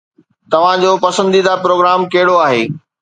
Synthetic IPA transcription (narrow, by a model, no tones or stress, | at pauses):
t̪ɐʋ̤ãd͡ʑoːpɐsə̃nd̪id̪apɾoːɡɾaːmkɐɦɪɽoaːɦeː